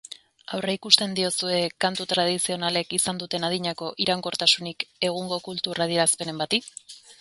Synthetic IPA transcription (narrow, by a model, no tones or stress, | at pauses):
awreikust̪e̞nd̪io̞sue̞kant̪ut̪ɾað̞isio̞nale̞kisand̪ut̪e̞naðiɲako̞ʔiɾaŋko̞ɾt̪asunike̞ɣ̞uŋɡo̞kult̪uɾaðieɾaspe̞ne̞mbat̪i